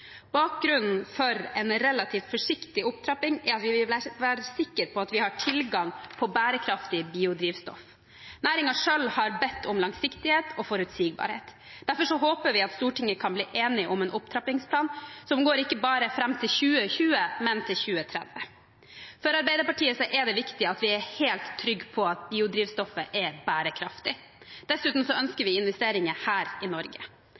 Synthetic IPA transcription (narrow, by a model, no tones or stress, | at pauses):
b̥ɑːk̚ɡɾʉnn̩fɔɾɛnɾɛlɑt̪ʰiːft̪fɔʂɪkt̪ɪʊpt̪ʰɾɑpɪŋɑt̪ʋɪʋɪlʋæːɾəsɪkːəɾpʰɔɑt̪ʋɪhɑʈʰɪlɡɑŋpʰɔbæːɾəkʰɾɑft̪ɪbiːʊd̪ɾiːʋst̪ɔ̰f | næːɾɪŋɑʂœlhɑɾbɛt̪ʰːɔmlɑŋsɪkt̪ɪheːt̪ʰɔfɔɾʉt̪siːɡ̚bɑ̰ːɾhḛːt̪ | d̪æɾfɔʂɔɦoːpəɾʋɪɑt̪st̪uːʈɪŋːəkʰɑnbliːʔeːnɪʔɔmɛːnʊpt̪ʰɾɑpɪŋspʰlɑːnsɔmɡoːɾɪkːəbɑːɾəfɾɛmːt̪ʰɪlçʉːəçʉːəmɛnt̪ʰɪlçʉːət̪ʰɾɛ̰d̪ʋə | fɔɾɑɾbæɪd̪əɾpɑʈʰiːəsɔʔɛd̪ɛʋɪkt̪ɪɑt̪ʋɪɛɾheːlt̪ʰːɾʏɡːpʰɔɑt̪̚biːʊd̪ɾiːʋst̪ɔfːəʔɛbæːɾəkʰɾɑft̪ɪ | d̪̥ɛsʉːt̪n̩sɔœnskəɾʋɪɪnʋɛst̪eːɾɪŋəhæːɾɪnɔɾɡə